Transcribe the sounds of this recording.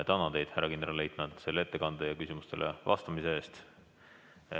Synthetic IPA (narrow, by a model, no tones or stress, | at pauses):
et̪ɑnɑd̪e̞jd̪̥hæɾːɑkind̪ɾɑle̞jt̪ˑmet̪se̞lːeet̪ːe̞kɑnd̪̥ejɑkysʲimust̪elʔevɑ̰st̪ɑmise̞e̞ːst̪